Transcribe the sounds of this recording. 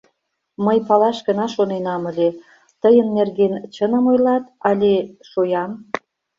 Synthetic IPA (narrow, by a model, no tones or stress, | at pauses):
məjpɑlɑʃɡə̆nɑʃonenɑmə̆lʲe | t̪əjənːerɣent͡ɕənə̆mojlɑt̪ɑlʲeʃojɑm